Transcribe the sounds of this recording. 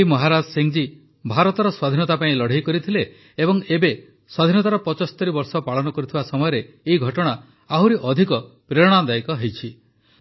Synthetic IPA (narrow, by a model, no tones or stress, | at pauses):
mɔɦaɾad͡ʒsiŋd͡ʒi | bʱaɾɔt̪ɔɾɔswad̪ʱinɔt̪apaĩlɔɽ̤ejkɔɾit̪ʰileː | bɔŋebe | swad̪ʱinɔt̪aɾɔpɔt͡ʃɔsɔ̥t̪ɔɾibɔɾsɔpaɭɔnɔkɔɾit̪ʰibasɔmɔjɔɾeː | iɡʱɔʈɔɽ̃a | aɦuɾiʔɔd̪ʱikɔ | pɾeɾɔɽ̃ãd̪ajkɔɦejt͡ʃʰi